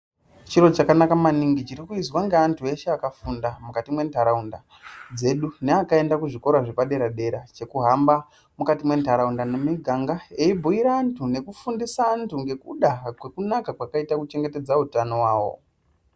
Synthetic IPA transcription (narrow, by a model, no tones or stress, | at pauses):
t͡ʃiɾo̞t͡ʃakanakamaniŋɡit͡ʃiɾikuizwaŋɡeantʰue̞ʃeakafundamukatimwe̞ntʰaɾaunda | d͡ze̞ɗuneakae̞ndakuʐiko̞ɾaʐipaɗe̞ɾaɗe̞ɾat͡ʃe̞kuɦamba | mukatimwe̞ntaɾaundanemiɡʱaŋɡae̞ibʱuiɾaːntʰune̞kufundisaːntʰuŋɡe̞kuɗakwe̞kunakakwakaitakut͡ʃe̞ŋɡe̞te̞d͡zautano̞waːwo̞̰